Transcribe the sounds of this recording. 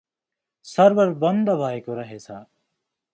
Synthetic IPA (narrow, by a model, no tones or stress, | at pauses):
sʌɾʋəɾbənd̪bʱaːekoɾəɦet͡sʰaː